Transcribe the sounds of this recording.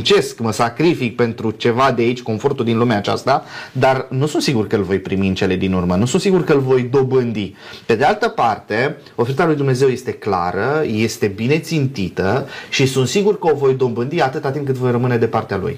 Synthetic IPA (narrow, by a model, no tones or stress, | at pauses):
nt͡ʃe̞skməsakɾifik̚pe̞nt̪ɾut͡ʃe̞vad̪eait͡ʃʲko̞nfo̞rt̪uld̪inlumeat͡ʃa̰st̪ad̪arnusunt̪siɡurkəlvo̞jpɾimiɨnt͡ʃe̞le̞d̪inurmənusunsiɡurkəlvo̞jd̪o̞bɨnd̪ipe̞d̪e̞alt̪əpart̪e̞ | o̞fe̞ɾit̪alujd̪umne̞ze̞wje̞st̪e̞kla̰ɾəje̞st̪e̞bine̞t̪sint̪it̪əʃisunt̪siɡurkəo̞vo̞jd̪o̞bɨnd̪iat̪ɨt̪at̪imkɨt̪vo̞jrəmɨne̞d̪e̞part̪ealṵj